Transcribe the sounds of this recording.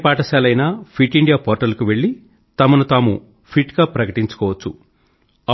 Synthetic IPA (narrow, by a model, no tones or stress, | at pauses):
paːʈɐsaːlɐjnaːpʰiʈiɳɖijaːpɔːɾʈɐlkuʋe̞ɭːi | t̪ɐmɐnut̪aːmṵ | pʰiʈɡaːpɾɐkɐʈiɲt͡ʃu̥kɔːʋɐt͡ʃːṵ